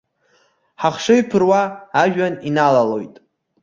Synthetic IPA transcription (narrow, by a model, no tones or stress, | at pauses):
ħaχʂɨɥpʰɨrwaːʒᶣaninalalo̞̰jtʼ